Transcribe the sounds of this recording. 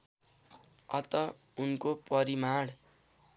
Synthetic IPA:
ʌ̰t̪ʌ | unkopʌɾimaɽ

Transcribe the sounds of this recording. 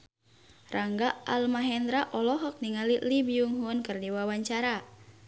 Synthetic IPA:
rʔaŋɡaalmaɦɛnd̪ɾaʔɔlɔɦɔk̚niŋalilibiuŋɦunkɨrdiwawaɲt͡ʃaɾa

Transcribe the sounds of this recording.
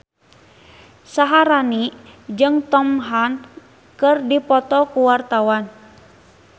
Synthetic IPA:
saɦaɾanid͡ʒɨŋt̪ɔmɦan | kɨrdipɔt̪ɔkuwart̪awan

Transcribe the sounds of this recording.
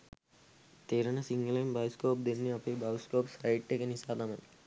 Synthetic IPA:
t̪eːɾɐnɐsiŋɡɐlɐjmbaːjskoːp̚d̪enːiɐpebaːjskoːpsɐjʈːekɐnisaːd̪ɐmɐn

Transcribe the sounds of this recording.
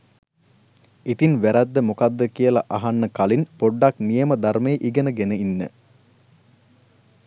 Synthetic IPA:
it̪inʋæɾæd̪ːəmukad̪ːəkijəlaʔaɦanːəkalinpoɖːaknijəməd̪armejːʔiɡənəɡenəinːə̰

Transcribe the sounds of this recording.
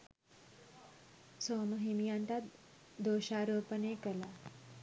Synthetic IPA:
soːməɦimijãnt̪a | d̪oːɕaɾoːpənekəla

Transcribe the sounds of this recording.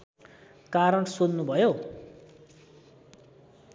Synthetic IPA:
kaɾʌɳsonnubʱʌjo

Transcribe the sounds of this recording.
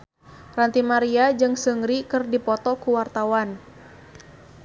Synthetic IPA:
rant̪imaɾiad͡ʒɨŋsəŋɾikɨrdipɔt̪ɔkuwart̪awan

